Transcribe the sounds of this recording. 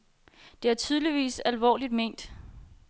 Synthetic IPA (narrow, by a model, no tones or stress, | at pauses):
d̥e̝æɐt͡sʰyːð̞ˠliʋḭːsælʋɒ̰ːlid̥me̝ːn̰d̥